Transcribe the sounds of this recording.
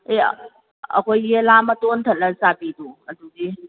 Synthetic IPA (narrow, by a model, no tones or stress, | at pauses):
ḛ | ɐ̰kʰojelamɐtontʰət̚lɐsabiduɐdudi